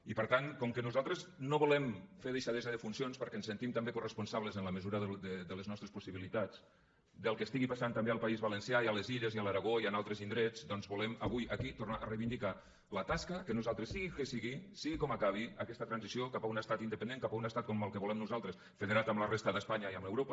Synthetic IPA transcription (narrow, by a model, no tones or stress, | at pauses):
ipəɾt̪ankɔmkənuzalˠt̪ɾəznoβulɛmfeɾðeʃaðezəðəfunsionspəɾkɛnsənt̪imt̪ambekurəspunsaβləzənləməzuɾəðəd̪əd̪ələznɔst̪ɾespusiβilit̪at͡s | d̪əlˠkəst̪iɣipasant̪ambealˠpaizβalənsjaialeziʎəziəlaɾaɣoianalˠt̪ɾəzind̪ɾɛd͡zd̪ɔnzβulɛməβ̞ujəkit̪urnaʔərejβind̪ika | lət̪askəkənuzalˠt̪ɾəsiɣikesiɣisiɣikɔmakaβ̞iəkɛst̪ət̪ɾanzisiokapaunəst̪at̪ind̪əpənd̪eŋkapaunəst̪at̪kɔməlˠkəβulɛmnuzalˠt̪ɾəs | feðeɾat̪əmlərest̪əðəspaɲaiəmləwɾopə